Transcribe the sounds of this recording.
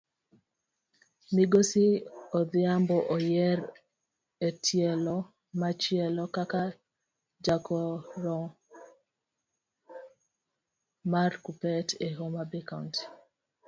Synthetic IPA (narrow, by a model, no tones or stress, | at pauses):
miɡosiɔðɪambɔʔɔjɛɾ | etʰjɛlɔ | mat͡ʃɪɛlɔkaka | d͡ʒakɔɾɔ | markupɛteɦomabɛkant